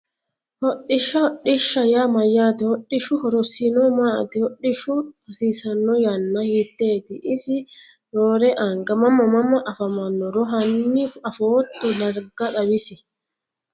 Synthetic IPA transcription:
hɔɗːɪʃɐɔɗɪʃːɐjaːmɐjːaːt̪ɪhɔɗːɪʃʊhɔɾɔsɪnomaːt̪ɪhɔɗːɪʃʊhɐsiːsɐnːɔjɐnːɐhɪt̪ːeːt̪ɪʔɪsɪ | ɾoːɾɛʔɐŋɡɐmɐmːɐmɐmːɐʔɐfɐmɐnːɔɾɔɦɐnːifɐfotːɛlɐɾɡɐɗɐbɪsɪ

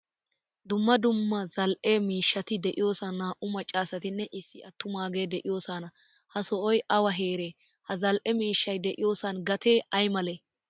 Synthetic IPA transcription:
d̪ʊmːɐd̪ʊmːɐzɐlʔeːmiːʃːɐt̪ɪd̪ɛʔɪjo̞ːsɐnːaːʔʊmɐt͡ʃʼːaːsɐt̪ɪnːɛʔɪsːɪɐt̪ːʊmaːɡe̞ːd̪ɛʔɪjo̞ːsɐnɐ | hɐsɔʔɔjʔɐwɐɦeːɾeː | hɐzɐlʔɛmiːʃːɐjd̪ɛʔɪjo̞ːsɐnɡɐt̪ʰeːɐjmɐleː

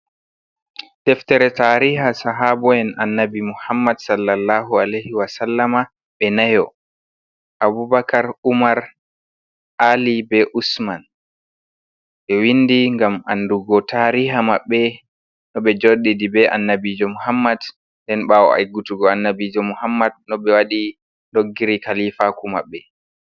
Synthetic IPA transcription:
tɛftɛɾɛtaɾiɦasaɦabɔjɛnʔanːabimuhamːadsalːalːaɦualajhiwasalːama | ɓɛnajɔ | ʔabubakaɾumaɾ | ʔalibɛʔusman | ɓɛwindiŋɡamʔa̰nduɡɔtʰaɾiɦamaɓːɛ | nɔɓɛd͡ʒoɗidibɛʔa̰nːabid͡ʒɔmuhamːad | ndɛnɓawɔ̰ʔa̰jɡutuɡɔanːabid͡ʒɔmuhamːad̚nɔɓɛwaɗi | ndoɡːiɾikalifakuma̰ɓːɛ

